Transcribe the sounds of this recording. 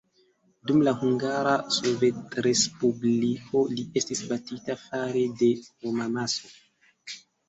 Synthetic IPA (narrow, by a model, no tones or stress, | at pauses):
dumlahuŋɡaɾasove̞tɾe̞spubliko̞lie̞stisbatitafaɾede̞homamaso̞